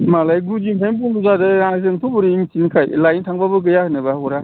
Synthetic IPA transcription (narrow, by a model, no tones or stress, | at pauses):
malajɡud͡ʒimkʰajnp̬unduzadɯɾaŋzɯŋtʰubuɾimsinkʰajlajntʰaŋbabɯɡɯjahɯnɯbaɔɾa